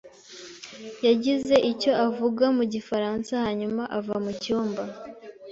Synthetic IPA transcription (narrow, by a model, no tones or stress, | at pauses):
jaɟize̞ʔico̞ʔavuɡamuɟifaɾansahaɲumaʔavamucuːmba